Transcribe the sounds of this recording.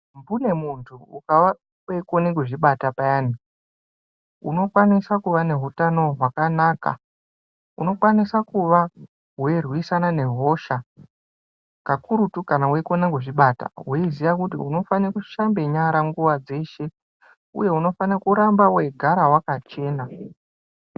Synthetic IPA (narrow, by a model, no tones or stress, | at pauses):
mbune̞muntʰuukaʋa | wekonek̬uʐiɓatapaani | uno̞kwanisakuʋane̞ɦutano̞ɦwakanaːka̰ | uno̞kwanisakuʋa | ɦwerwisanane̞ɦo̞ʃa | kakuɾutukanawekonekuʐiɓata̰weizijakutiṵno̞fanikuʃambe̞ɲaɾaŋɡuʋad͡ze̞ʃe̞ | ṵje̞uno̞fanakuɾambawe̞ɡʱaɾawakat͡ʃe̞ːna